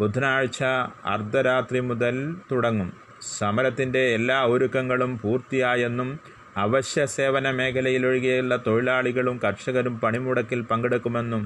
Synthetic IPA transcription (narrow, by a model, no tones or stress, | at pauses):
bud̪ʱɐnaːɻt͡ɕːɐɐ̰rd̪ʱɐɾaːt̪rimuðɐlt̪uɽɐŋːum | sɐmɐɾɐt̪ːinde̞ːlːaːoɾukːɐŋːɐɭumpuːrt̪ijaːje̞nːum | ɐʋɐɕjɐse̞ːʋɐnɐme̞ːkʰɐlɐjiloɻiɣɐuɭːɐt̪o̞ɻilaːɭiɣɐɭumkɐrʂɐɣɐɾumpɐɳimuɽɐkːilpɐŋɡeɽukːume̞nːum